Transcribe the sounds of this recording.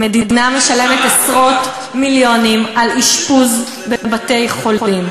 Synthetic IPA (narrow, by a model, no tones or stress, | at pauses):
medidiname̞ʃale̞metesʁo̞t | miljo̞nimaliʃpuz | bebate̞jχolim